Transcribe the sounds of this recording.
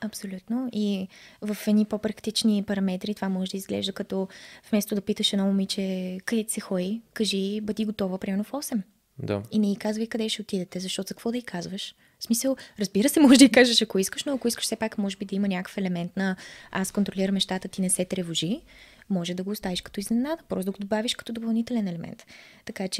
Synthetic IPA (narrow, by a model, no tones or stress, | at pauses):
ɐpsolʲut̪noivəfɛd̪nipopɾɐkt̪it͡ʃnipɐɾɐmɛt̪ɾit̪ovamɔʒɛd̪əizɡlɛ̰ʒd̪əkɐt̪ɔvmɛst̪od̪ɐpit̪əʃɐnɔmomit͡ʃɛkɐd̪ɛt̪i̥sɛxɔikɐʒibəd̪iɡot̪ɔvəpɾʲimɛɾnofɔsɛm | d̪a̰inɛikazvəjkɐd̪ɛʃɛot̪id̪ɛt̪ɛzɐʃt̪ɔt̪ʊzɐkvɔd̪ɐikʰazvəʃ | smisəlˠɾəzbiɾəsɛmɔʒd̪əikaʒɐʃɐkoiskəʃnoɐkoiskə̥ʃsɛpakmɔʒɛbid̪ɐimənʲakə̥fɛlɛmɛnt̪nɐaskont̪ɾoliɾəmɛʃt̪at̪ət̪inɛsɛt̪ɾɛvoʒimɔʒɛd̪ɐɡoːst̪aviʃkɐt̪ɔiznɛnad̪əpɾɔst̪ɐɡod̪obaviʃkɐ̥t̪ɔd̪opɐlˠnit̪ɛlɛnɛlɛmʔɛ̰nt̪ːɐkat͡ʃɛ